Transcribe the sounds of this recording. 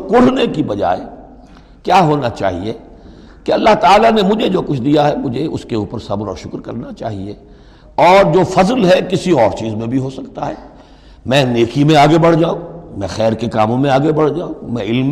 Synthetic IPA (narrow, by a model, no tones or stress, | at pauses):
kʊɽ̤nekibɐd͡ʒa̰ːe | kjaːɦoːnat͡ʃa̰ːɦie | keɐlːaɦt̪aːlanemʊd͡ʒʱed͡ʒoːkʊt͡ʃʰd̪ijaɦɛmʊd͡ʒʱeʊ̰skeuːpəɾsɐbɾɔ̰ːɾʃʊkɾkɐɾnat͡ʃa̰ːɦie | ɔːɾd͡ʒoːfɐzəlɦɛkɪsiɔːɾt͡ʃiːzmẽbʱiɦosɐkt̪aɦɛ̰ː | mɛ̃ːneːkimẽaːɡebɐɽ̤d͡ʒaːũmɛ̃xɛːɾkekaːmõmẽaːɡebɐɽ̤d͡ʒaːũmɛ̃ɪl